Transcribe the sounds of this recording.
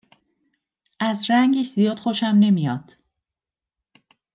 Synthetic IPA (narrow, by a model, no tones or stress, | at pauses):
ʔæzɾæŋɡeʃzijɒːd̪̥xoʃæmne̞mijɒːd̪̥